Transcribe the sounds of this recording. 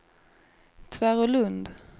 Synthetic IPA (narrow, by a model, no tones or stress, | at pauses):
t̪ʰvæɾɔlɵnd̪